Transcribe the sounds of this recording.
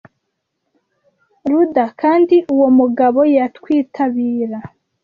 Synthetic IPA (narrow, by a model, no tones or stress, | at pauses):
ɾudakʰaːndiʔuwo̞muɡaβo̞jatwiːtʰaβiːɾa